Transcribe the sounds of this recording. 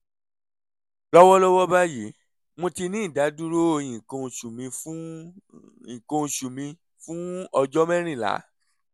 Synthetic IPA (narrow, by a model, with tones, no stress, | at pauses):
lɔ˦wɔ˦lɔ˦wɔ˦ba˦ji˨˦ | mõ˧ti˧nĩ˦˨da˨˦du˦ɾo˦o˧j̃ĩ˨ko˧˨ʃu˨mĩ˧˦ | ĩ˨kõ˧˨ʃu˨mĩ˧ | fũ˦ɔ˧d͡ʒɔ˦mɛ˦ɾ̃ĩ˦˨la̰˨˦